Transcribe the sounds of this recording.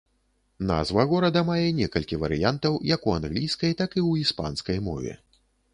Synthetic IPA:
na̰zvɐɣɔɾɐd̪ɐmajɛnʲɛkɐlʲkʲivɐɾɨjant̪ɐwjɐkuanɣlʲijskɐjt̪akiwispa̰nskɐjmɔ̰vʲɛ̰

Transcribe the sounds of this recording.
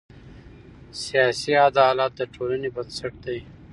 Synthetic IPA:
sijɑsiad̪ɑlɑt̪̚d̪əʈʰolanebansaʈ̚d̪aj

